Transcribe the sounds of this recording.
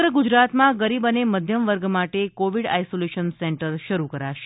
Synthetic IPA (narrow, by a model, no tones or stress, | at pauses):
ɡɾəɡud͡ʒɾat̪mãɡəɾibəneməd̪ʱjəmʋəɾɡmaʈekoʋiɽa̰jsoleʃənsɛɳʈəɾʃəɾukəɾaʃe̥